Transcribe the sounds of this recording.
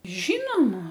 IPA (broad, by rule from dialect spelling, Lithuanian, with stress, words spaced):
ˈʒʲiːnoːmɐ